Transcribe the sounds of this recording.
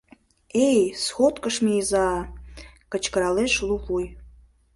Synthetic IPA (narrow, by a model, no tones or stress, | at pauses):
ejsχotʼkʼəʂmijza | kʼat͡ʃʰkəɾaleʃlupʰʼuj